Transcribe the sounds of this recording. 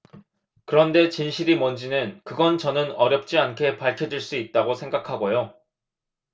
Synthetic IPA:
kɯɾʌnde̞t͡ɕinɕʰiɾimʌnd͡ʑinɯnkɯɡʌnt͡ɕʌnɯnʌɾjʌp̚t͡ɕ͈iankʰe̞paɭkʰjʌd͡ʑuɭs͈uit̚t͈aɡosʰe̞ŋɡakʰaɡojo

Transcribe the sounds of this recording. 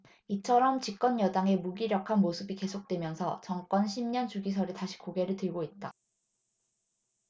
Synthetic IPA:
it͡ɕʰʌɾʌmt͡ɕik͈̚ʌnjʌdaŋe̞muɡiɾjʌkʰanmosʰɯbike̞sʰok̚t͈we̞mjʌnsʰʌt͡ɕʌŋk͈wʌnɕʰimɲʌnt͡ɕuɡis̬ʰʌɾitaɕʰi̥koɡe̞ɾɯɭtɯɭɡoit̚t͈a

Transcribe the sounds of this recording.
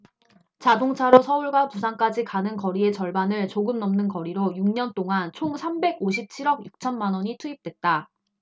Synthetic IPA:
t͡ɕadoŋt͡ɕʰaɾosʰʌuɭɡwapusʰank͈ad͡ʑikanɯnkʌɾie̞t͡ɕʌɭbanɯɭt͡ɕoɡɯmnːʌmnɯnkʌɾiɾojuŋɲʌnt͈oŋant͡ɕʰoŋsʰambe̞ɡoɕʰip̚t͡ɕʰiɾʌɡjuk̚t͡ɕʰʌnmanwʌɲitʰuip̚t͈we̞t̚t͈a

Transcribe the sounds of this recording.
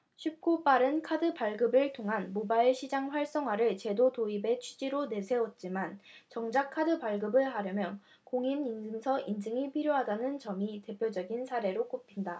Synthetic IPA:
ɕʰɥip̚k͈op͈aɾɯnkʰadɯpaɭɡɯbɯɭtʰoŋɦanmobaiɭɕʰid͡ʑaŋɸwaɭs͈ʌŋɦwaɾɯɭt͡ɕe̞dotoibe̞t͡ɕʰid͡ʑiɾone̞sʰe̞wʌt̚t͡ɕ͈imant͡ɕʌŋd͡ʑakʰːadɯpaɭɡɯbɯɭɦaɾjʌmjʌ | koŋimind͡ʑɯŋsʰʌʔind͡ʑɯŋipʰiɾjoɦadanɯnt͡ɕʌmite̞pʰjod͡ʑʌɡinsʰaɾe̞ɾok͈opʰinda

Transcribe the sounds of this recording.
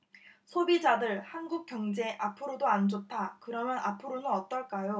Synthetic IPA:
sʰobid͡ʑadɯɭhanɡuk̚k͈jʌŋd͡ʑe̞ʔapʰɯɾodoand͡ʑotʰakɯɾʌmjʌnapʰɯɾonɯnʌt͈ʌɭk͈ajo

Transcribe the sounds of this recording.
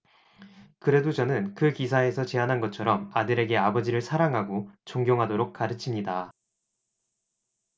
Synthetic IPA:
kɯɾe̞dot͡ɕʌnɯnkɯkisʰae̞sʰʌt͡ɕe̞anɦanɡʌt̚t͡ɕʰʌɾʌmadɯɾe̞ɡe̞abʌd͡ʑiɾɯɭsʰaɾaŋɦaɡot͡ɕoŋɡjoŋɦadoɾok̚k͈aɾɯt͡ɕʰimɲida

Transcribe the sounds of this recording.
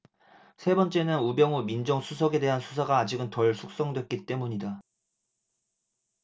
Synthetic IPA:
sʰe̞bʌnt͡ɕ͈e̞nɯnubjʌŋumind͡ʑʌŋsʰusʰʌɡe̞de̞ɦansʰusʰaɡaːd͡ʑiɡɯntʌɭsʰuk̚s͈ʌŋdwe̞t̚k͈it͈e̞muɲida

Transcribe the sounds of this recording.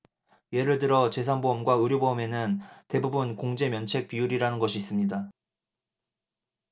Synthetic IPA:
je̞ɾɯɭtɯɾʌt͡ɕe̞s̬ʰanboʌmɡwaɯɾjoboɯme̞nɯnte̞bubunkoŋd͡ʑe̞mjʌnt͡ɕʰe̞k̚p͈ijuɾiɾanɯnɡʌɕʰiːs͈ɯmɲida

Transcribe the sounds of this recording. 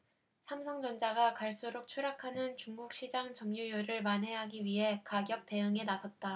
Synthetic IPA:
sʰamsʰʌŋd͡ʑʌnd͡ʑaɡakaɭs͈uɾok̚t͡ɕʰuɾjakʰanɯnt͡ɕuŋɡuk̚ɕ͈id͡ʑaŋt͡ɕʌmɲujoɾɯɭmanɦe̞ɦaɡiɥiɦe̞kaɡjʌk̚t͈e̞ɯŋe̞nasʰʌt̚t͈a

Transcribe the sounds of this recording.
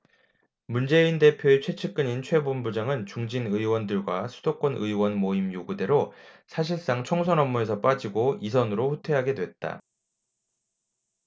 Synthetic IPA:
mund͡ʑe̞inde̞pʰjoet͡ɕʰwe̞t͡ɕʰɯk͈ɯɲint͡ɕʰwe̞bombud͡ʑaŋɯnt͡ɕuŋd͡ʑinɯiwʌndɯɭɡwa̰sʰudok͈ʌnɯiwʌnmoimjoɡude̞ɾosʰaɕ̬ʰiɭs͈aŋt͡ɕʰʌŋsʰʌnʌmːue̞s̬ʰʌp͈ad͡ʑiɡois̬ʰʌnɯɾoɸutʰe̞ɦaɡe̞dwe̞t̚t͈a̰

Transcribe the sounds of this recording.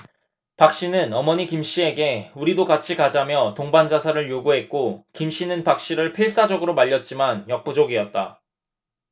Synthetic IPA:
pak̚ɕ͈inɯnʌmʌɲikimɕ͈ie̞ɡe̞uɾidokat͡ɕʰikad͡ʑamjʌtoŋband͡ʑasʰaɾɯɭjoɡuɦe̞t̚k͈okimɕ͈inɯnpak̚ɕ͈iɾɯɭpʰes͈ʰad͡ʑʌɡɯɾomaʎːʌt̚t͡ɕ͈imanjʌk̚p͈ud͡ʑʌɡiʌt̚t͈a

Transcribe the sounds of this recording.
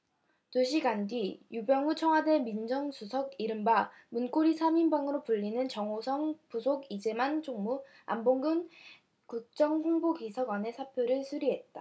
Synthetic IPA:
toɕ̬ʰiɡandɥijubjʌŋut͡ɕʰʌŋwade̞mind͡ʑʌŋsʰusʰʌɡiɾɯmba | munk͈oɾisʰaminbaŋɯɾopuʎːinɯnt͡ɕʌŋosʰʌŋpusʰoɡid͡ʑe̞mant͡ɕʰoŋmu | a̰mboŋɡɯn | kuk̚t͡ɕ͈ʌŋɸʰoŋboɡisʰʌɡwane̞sʰapʰjoɾɯɭsʰuɾiɦe̞t̚t͈a

